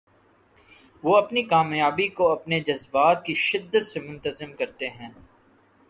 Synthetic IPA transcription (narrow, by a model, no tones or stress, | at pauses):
ʋoɐpnikaːmjaːbikoɐpned͡ʒɐzbaːt̪̚kiʃɪd̪ːət̪semʊ̃nt̪əzɪmkɐɾt̪eɦɛ̃ː